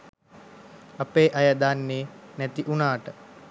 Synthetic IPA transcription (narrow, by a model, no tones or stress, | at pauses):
apeːʔajəd̪anːeːnɛt̪iʔunaːʈə